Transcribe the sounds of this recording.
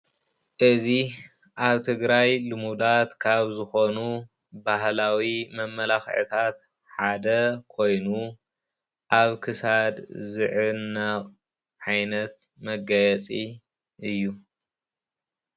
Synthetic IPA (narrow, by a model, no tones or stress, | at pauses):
ʔɨzi | ʔaβt̪ʰɨɡɾajlɨmud̪at̪kʰaβzɨxo̞nu | bahlawimɐmːɐlaxʕɨ̰t̪ʰat̪ | ħad̪ɐkʰo̞jnu | ʔaβkʰɨsad̪zɨʕɨnːɐqʼ | ʕajnɐt̪ | mɐɡɐjɛt͡sʼi | ʔɨjːu